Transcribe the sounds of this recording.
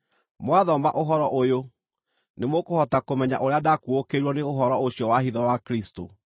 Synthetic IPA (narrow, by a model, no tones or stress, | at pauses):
mwaðɔmba̰ʔoɦɔɾɔʔojo | nemokohɔtakomɛɲa̰ʔoɾeadakuokeɾwɔneoɦɔɾɔoɕjɔwaɦiðɔwakɾisto̰